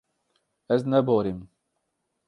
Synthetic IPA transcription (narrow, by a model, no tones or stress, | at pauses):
ɛznɛboːɾim